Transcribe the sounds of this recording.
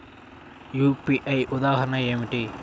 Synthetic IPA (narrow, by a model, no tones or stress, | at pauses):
juːpiʔɐjud̪aːɦɐɾɐnɳɐeːmiʈi